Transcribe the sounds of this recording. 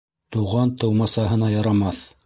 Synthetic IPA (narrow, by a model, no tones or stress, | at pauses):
t̪uʁɑnt̪ɤ̆wmɑsɑɦɤ̆nɑjɑɾɑmɑθ